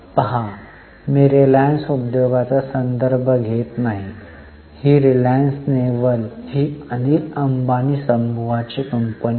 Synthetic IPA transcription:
pəɦa | miɾelajnsubd̪oɡat͡sasənd̪əɾbʱəɡʱet̪naɦi | hiːɾilaənsneʋəlhiːənikɐmbanisəmbʱuʋat͡ɕekəmpən

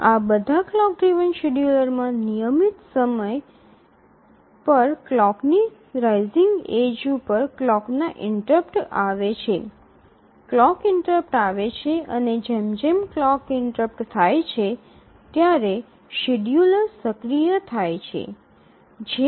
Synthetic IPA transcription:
abəd̪ʱaklɔk̚ɖɾiʋənʃiɖjuləɾmãnijəmit̪səməj | pəɾklɔkni | ɾajziŋɡed͡ʒupəɾklɔknaʔɪɳʈɾəpʈaʋet͡ʃʰe | klɔkɪɳʈɾəp̚ʈaʋet͡ʃʰeəned͡ʒemd͡ʒemklɔkɪɳʈɾəp̚ʈt̪ʰajt͡ʃʰe | t̪jaɾe | ʃiɖjuləɾsəkɾijət̪ʰajt͡ʃʰḛ | d͡ʒe

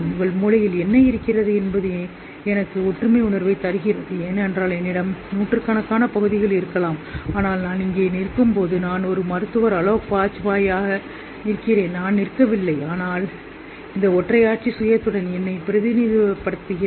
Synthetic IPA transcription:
ʊŋɡɐɭmuːɻɐjɪlɛnːɐɪɾɯkːɪrɐðɯɛnbɐðɯ | ɛnɐkːɯɔʈrɯmɐɪʊnɐɾʋɐɪt̪ɐɾɯɣɪrɐðɯeːnɛndraːlɛnːɪɽɐmnuːʈːɯɾkaːɳɐkːaːnɐpɐɣɯðɪɣɐɭɪɾɯkːɐlaːmaːnaːlnaːnɪŋɡeːnɪrkːɯmpoːðɯnaːnɔɾɯmɐɾɯt̪ːɯʋɐɾɐɭɐːpːaːt͡ʃːɯʋaːjaːɣɐ | ɪɾɯkːɪreːnnaːnːɪɾkːɐʋɪlːɐɪaːnaːl | ɪnd̪ɐɔʈrɐjaːʈ̚t͡ʃisʊjɐt̪ːɯɽɐnɛnːɐɪpɪɾɐðɪniðipːɐɽɯt̪ːɯɣɪ

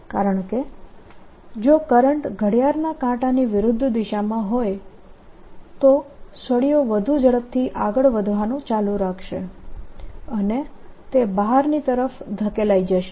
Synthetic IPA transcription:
kaɾəɳke | d͡ʒokəɾəɳʈɡʱəɽjaɾnakãʈaniʋɪɾʊd̪ʱːd̪iʃamãɦoj | t̪osəɽijoʋəd̪ʱud͡ʒəɭəp̚t̪ʰiʔaɡəɭʋəd̪ʱʋanũt͡ʃalũɾakʰʃḛ | ənet̪ebaɦaɾnit̪əɾəfd̪ʱəkelaid͡ʒəʃe

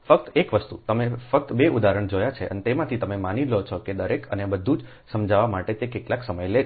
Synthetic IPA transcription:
fək̚t̪ekʋəst̪ṵt̪əmefək̚t̪beʔud̪aɾəɳd͡ʒojat͡ʃʰeʔənet̪emãt̪ʰit̪əmemanilɦot͡ʃʰoked̪əɾekə̰nebəd̪ʱːũd͡ʒ | səmd͡ʒʱaʋamaʈet̪ekeʈlaksəməjle

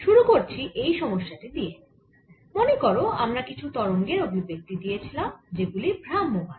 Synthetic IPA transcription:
ʃuɾukoɾt͡ɕʰiʔejʃɔmoʃːaʈid̪ije | monekoɾoamɾakit͡ɕʰut̪ɔɾoŋɡeɾobʱibek̚t̪id̪ijet͡ɕʰilamd͡ʑeɡulibʱɾamːuɦa̰n

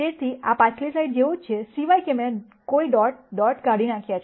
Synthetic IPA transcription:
et̪ʰiapãt͡ʃʰlisaiʈ̚d͡ʒeut͡ʃʰesiʋajkemẽ | koiɖɔʈ̚ɖɔʈkaɽinãkʰjat͡ʃʰ

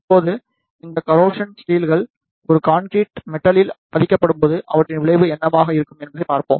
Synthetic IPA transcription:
ɐpːoːðɯ | ɪnd̪ɐkɐɾoːʂɐnsʈiːlɣɐɭ | ɔɾɯkaːnkɾiːʈmɛʈːɐlɪlpɐðɪkːɐpːɐɽɯmpoːðɯʔɐ̰ʋɐʈrɪnʋɪɭɐɪʋɯɛnːɐmaːɣɐɪɾɯkːɯmɛnbɐðɐɪpaːɾpo̰ːm

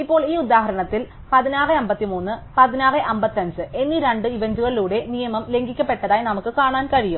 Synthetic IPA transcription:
ipːoːɭiːud̪aːɦɐɾɐɳɐt̪ːil | pɐðinaːrɨɐmbɐt̪ːimuːnːɨpɐðinaːrɨʔɐmbɐt̪ːɐnsɨe̞nːiɾeɳɖɨiʋɐɲd͡ʑuɣɐɭiluːɽe̞nijɐmɐmle̞ŋɡikʲːɐpːe̞ʈːɐðaːjinɐmukːɨkaːɳaːnkɐɻijum

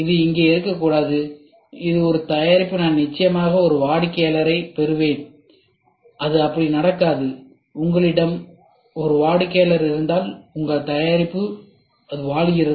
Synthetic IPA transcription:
ɪðɯɪŋɡeːɪɾɯkːɐkːuːɽaːðɯ | ɪðɯɔɾɯt̪ɐjaːɾɪpːɯnaːnnɪt͡ʃːɐjɐmaːɣɐɔɾɯʋaːɽɯkːeːlɐɾɐɪpɛɾɯʋeːn | ʔɐðɯɐpːɐɽinɐɽɐkːaːðɯ | ʊŋɡɐɭɪɽɐm | ɔɾɯʋaːɽɯkːeːlɐɾɪɾɯnd̪aːlʊŋɡɐɭt̪ɐjaːɾɪpːɯ | ɐðɯʋaːɭɪjɪɾɐ

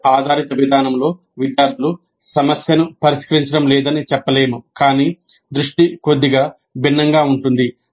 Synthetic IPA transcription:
aːd̪ʱaːɾit̪ɐʋid̪ʱaːnɐmlo̞ː | ʋid̪jaːɾd̪ʱulu | sɐmɐsjɐnupɐɾiʃkɐɾiɲt͡ʃɐɽɐmlɛːd̪ɐnit͡ʃɛpːɐle̞ːmukaːniː | d̪ɾuʂʈiko̞d̪ːiɡaː | bʱinːɐŋɡaːuɳʈund̪i

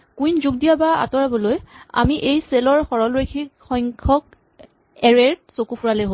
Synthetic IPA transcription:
kujnzuɡ̚dijabaa̰tɔɹabɔloja̰miʔejselɔɹxɔɹɔlɹejkʰikxɔjŋkʰɔk̚ | ɛɹɛɹ̚sokupʰuɹalejɦo

